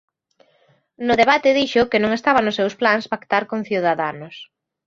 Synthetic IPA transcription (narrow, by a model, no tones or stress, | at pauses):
nʊðeβat̪ɪðiʃʊkɪnõŋest̪aβanʊsːewsplaŋspakt̪aɾkonθjuðaðanʊs